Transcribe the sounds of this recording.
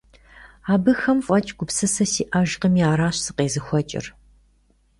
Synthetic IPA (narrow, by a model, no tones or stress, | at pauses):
aːbɨxɐmfʼɐt͡ʃʼɡʷʊpsɐsɐsiːʔɐʒqəmiaːɾaːɕsɨ̥qeːzɨxʷɐt͡ʃʼɪ̰r